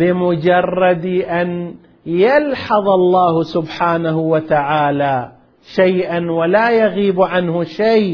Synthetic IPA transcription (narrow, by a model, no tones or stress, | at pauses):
bɪmʊd͡ʒɑrˤːɑd̪ʔan | jalħɑðˤɑlˤːɑːhsʊbħaːnahʊwat̪aʕaːlaː | ʃajʔanwalaːjaɣiːbʕanhʊʃaj